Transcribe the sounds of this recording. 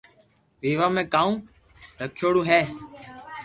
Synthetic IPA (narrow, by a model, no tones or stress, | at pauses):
ʋiːʋaːmẽːkaːũː | ɾəkʰːjoːɽũːɦeː